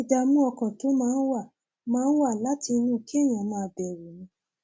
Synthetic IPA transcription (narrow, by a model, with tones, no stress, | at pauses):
da˧mũ˦ɔ˧kɔ̃˨to˨˦mãː˦˧n̩˦wa˦˨ | mãː˦n̩˦wa˦˨la˦ti˧nũ˦˨kʰe˦˨j̃ã˨mã˧˦˧bɛ˨wo˨nĩ˧˦